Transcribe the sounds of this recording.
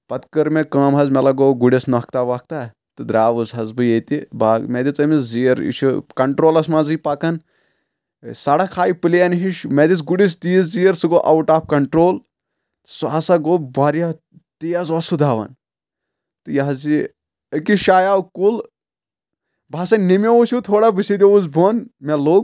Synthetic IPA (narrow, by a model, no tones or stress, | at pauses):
pɐt̪kɐɾmekaːmɦɐzmelaɡoːɡuɽʲisnɐk̚t̪aʋak̚t̪a | t̪ɨd̪ɾaːʋɨsɦɐzbɨjet̪ibameːd̪ʲit͡sɐmiszijɐɾḭt͡ʃʰukɐɳʈɾoːlɐsmaːzɨipaːkɐn | saːɽɐkʰaːjipɨljɐnɦiʃmed̪it͡sɡuɽis̬t̪ijiszijɐɾsɨɡoːʔɐwʈaːp̚kɐɳʈɾoːl | suasaɡobaːɾija | t̪ijazɐsud̪ʱaːʋɐ̰n | t̪ɨjaɦɐzi | əkiʃaːjaːwkul | bʱaːsɐnnimʲeoʃʰut̪ʰoːɽabɨsid̪ʲouzbʱoːnmɛloːɡ